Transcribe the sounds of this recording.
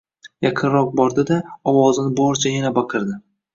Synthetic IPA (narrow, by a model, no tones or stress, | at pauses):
jaqʰɨnɾɒq̚bɒɾd̪ɪd̪aɒwɒzɪnɪbɒɾt͡ʃʰajanabɑqʰɨɾd̪ɪ